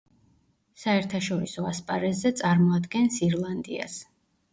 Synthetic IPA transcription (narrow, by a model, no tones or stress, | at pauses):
saɛɾt̪ʰaʃɔɾisɔaspʼaɾɛzɛt̪sʼaɾmɔad̪ɡɛnsiɾlˠand̪ḭa̰s